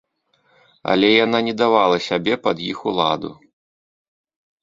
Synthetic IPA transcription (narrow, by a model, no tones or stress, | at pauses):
ɐ̰lʲɛjananʲɛd̪avalˠɐsʲabʲɛpɐd̪jixulˠad̪ṵ